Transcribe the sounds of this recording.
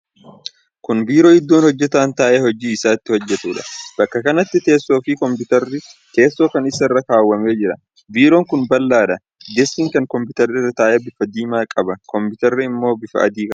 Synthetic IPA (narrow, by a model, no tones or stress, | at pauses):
kʊnbiːɾo̞ːɪd̪ːoːnhɔd͡ʒːɛt̪aːnt̪aːʔehɔd͡ʒiːɪsaːɪt̪ːɪhɔd͡ʒːɛt̪uːᶑɐ̥b̥ɐkːɐkɐnɐt̪ːɪt̪e̞ːsːo̞ːfɪkɔmpʊt̪ɐɾːɪt̪e̞ːsːo̞ːkɐnɪsɐɪrːɐkaːwːɐme̞ːd͡ʒɪɾɐ | biːɾo̞ːŋkʊnbɐlːaːᶑɐ | d͡ʒɛsiːŋkɐŋkɔmpɪt̪ɐɾɪrːɐt̪aːʔeːbɪfɐd̪iːmaːkʼɐbɐkɔmpʊt̪ɐɾːɪɪmːo̞ːbɪfɐ̰ʔɐ̰d̪iːkʼɐ